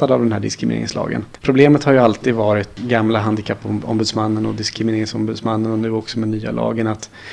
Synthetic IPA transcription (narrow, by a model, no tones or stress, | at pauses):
ad̪avd̪ɛnhæːɖɪskɾɪmɪnḛːɾɪ̰ŋslɑ̰ːɡə̰npʰɾʊbleːmət̪haɾjɵalt̪iːd̪vɑːɾɪt̪ɡamlaɦand̪ɪkʰapːɔmbʉːd̪smanːənɔd̪ɪskɾɪmɪneːɾɪŋsɔmbʉd̪smanːənɔnʉ̟ːɔksɔmɛnyːa̰lʔɑ̰ːɡənat̪